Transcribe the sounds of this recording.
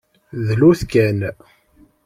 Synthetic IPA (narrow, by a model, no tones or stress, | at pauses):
ðluθkæn